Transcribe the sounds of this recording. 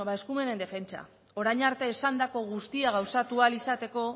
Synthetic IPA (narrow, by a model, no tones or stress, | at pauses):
βaeskume̞ne̞nd̪e̞fe̞nt͡ʃa̰ | o̞ɾajɲaɾt̪e̞ːsand̪ako̞ɣ̞ust̪iaɣ̞awsat̪ualisat̪e̞ko̞